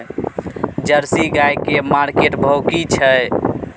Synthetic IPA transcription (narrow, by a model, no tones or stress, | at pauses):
d͡ʒəɾsiɡajkemaɾkeʈbʱəwkit͡ʃʰə